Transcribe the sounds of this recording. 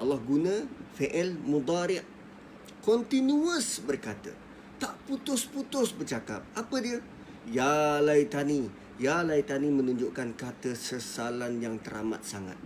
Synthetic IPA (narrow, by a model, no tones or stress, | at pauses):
ʔɑlɑhɡunãfeʔəlmud̪ˤaɾɪʔ | kɔnt̪inuəsbərkat̪ə̰ | t̪aʔput̪ʊsput̪ʊsbərt͡ʃaka̰p̚apədiə | jalajt̪ani | jalajt̪animə̃nũɲd͡ʒʊʔkankat̪əsəsalanjaŋt̪əɾa̰ma̰t̪̚saŋa̰t̪̚